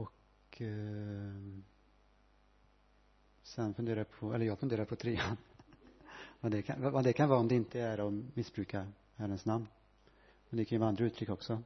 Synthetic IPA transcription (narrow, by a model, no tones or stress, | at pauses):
ɔkʰ | sɛnfɵnd̪eːɾaapʰɔɛ̰lːəjɑːɡfɵnd̪eːɾaɾpʰɔt̪ʰɾiːan | vad̪ɛkʰavavad̪ɛkʰanvɑːɔmd̪ɛɪnt̪əæɾɔmɪsbɾʉːka | hæɾənsnamn | mɛnd̪ɛkʰanjəvand̪ɾaʉːt̪ʰɾʏkːɔksɔ